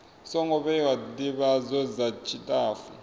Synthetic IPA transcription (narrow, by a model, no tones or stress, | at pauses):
sɔŋɔβɛwadiβazɔzat͡ʃʰitʼaːfu